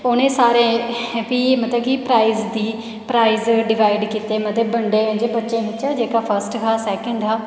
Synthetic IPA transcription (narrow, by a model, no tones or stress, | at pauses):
oːnẽːsaːɾẽːʋiːmət̪ləb̚kiːpɾaːizd̪iː | pɾaːizɖɪʋaːɪɖkiːt̪eːmət̪ebəɳɖẽːd͡ʒeːbətːʃẽːʋɪt͡ʃːt͡ʃːʃaːd͡ʒeːkaːpʰəɾsʈkaːsɛːkəɳɖɦaː